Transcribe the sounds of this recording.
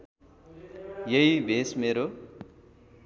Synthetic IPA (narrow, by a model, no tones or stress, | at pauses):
jʌɦibʱesmeɾo